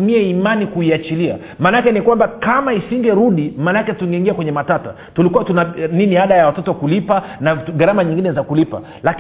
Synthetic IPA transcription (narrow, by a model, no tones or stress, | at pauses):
miɛimanikuiat͡ʃilia̰ | maːnaakɛnikwambakamaisiŋɡɛɾuɗimaːnakɛtuŋɡɛiŋɡiakwɛɲɛmatata̰ | tulikuwatunaniniaɗajawatɔtɔwakulipanaɡaɾamaɲĩŋɡinɛzakulipa̰ | lak